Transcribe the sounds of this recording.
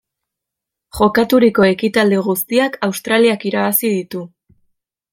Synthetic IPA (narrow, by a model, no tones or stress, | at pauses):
χo̞kat̪uɾiko̞e̞kit̪ald̪iɣ̞ust̪iakawst̪ɾaliakiɾaβ̞asiðit̪u